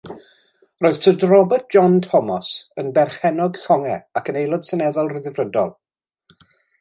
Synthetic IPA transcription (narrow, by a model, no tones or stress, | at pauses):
roːɨð̥tʰədrɔbərt̚d̥ʒ̥ɔntʰɔmɔsənbɛrχɛnɔɡθɔŋɛakənejlˠɔd̥sənɛðɔlˠrɪðɪvrədɔ̰lˠ